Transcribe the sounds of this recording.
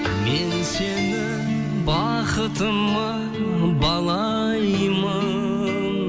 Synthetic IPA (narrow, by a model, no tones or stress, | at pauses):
mense̞nɪ | bɑ | qət̪əmːɑ | bɑlˠɑ | jmə | n